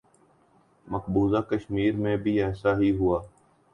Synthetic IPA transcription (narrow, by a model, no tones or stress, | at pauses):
məkbuːzakəʃmiːɾmẽbʱiɛːsaɦiɦuaː